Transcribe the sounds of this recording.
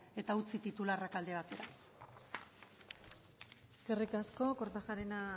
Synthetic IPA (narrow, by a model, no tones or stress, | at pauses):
e̞t̪aut͡sit̪it̪ularakald̪e̞β̞at̪e̞ɾa | ɡ̥erikasko̞koɾt̪axaɾena